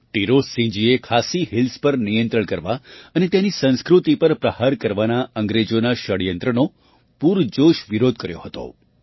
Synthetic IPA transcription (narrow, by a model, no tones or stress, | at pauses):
ʈiɾosĩd͡ʒiekʰasiɦɪlspəɾnijə̃nt̪ɾəɳkəɾʋaənet̪janisə̃nskɾut̪ipəɾpɾəhaɾkəɾʋanaə̃ŋɡɾed͡ʒonaʃəɽjənt̪ɾəno | puɾd͡ʒoʃʋiɾod̪̚ʱkəɾjoɦət̪o̰